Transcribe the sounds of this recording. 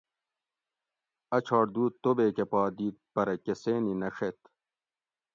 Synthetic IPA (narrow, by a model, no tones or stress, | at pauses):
ɐt͡ɕʰɑːɽd̪uːt̪ːobeːkepɑːd̪iːt̪̚pɐɾɐkeseːninɐʂet̪